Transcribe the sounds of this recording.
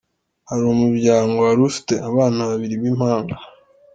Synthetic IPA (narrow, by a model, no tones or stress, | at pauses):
haɾumubɟaːŋɡo̞aɾufi̥te̞aβaːnaβaβiɾiβim̥haːŋɡa